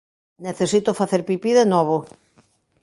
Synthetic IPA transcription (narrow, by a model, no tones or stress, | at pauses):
neθesit̪ofaθeɾpipiðenɔβ̞o